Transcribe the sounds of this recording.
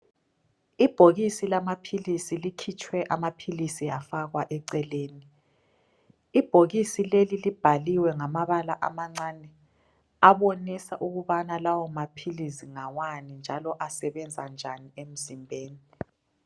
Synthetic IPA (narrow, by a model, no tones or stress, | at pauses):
ib̥ʱoɣisilamapʰilisilikʰit͡ʃʰʼwɛʔamapʰilisijafaɣwaʔɛǀɛleːni | b̥ʱoɣisilelilib̥ʱaliwɛŋamaβalaʔa̰maŋ͡ǀaːnɛ | aβonisaʔuɣuβanalawɔmapʰilisiŋawanind͡ʒʱalɔʔasɛβɛnd͡zʱand͡ʒʱaniem̩zimbʱeːni